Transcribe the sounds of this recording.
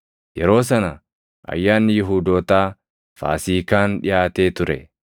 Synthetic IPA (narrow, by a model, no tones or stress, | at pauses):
jɛɾo̞ːs̬ɐnɐ | ʔɐ̰jːaːnːɪjɪɦuːd̪oːt̪aː | fa̰ːsiːkaːnᶑɪ̰jaːt̪eːt̪ʊɾɛ̰